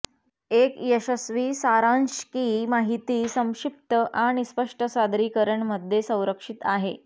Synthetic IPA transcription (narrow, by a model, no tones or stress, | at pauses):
ekjəɕəsʋiːsaɾãnɕkimaɦit̪iːsə̃w̃ʂip̚t̪əʔaɽ̃ispəʂʈəsad̪ɾiːkəɾəɳməd̪ʱjesə̃w̃ɾəkʂit̪aɦe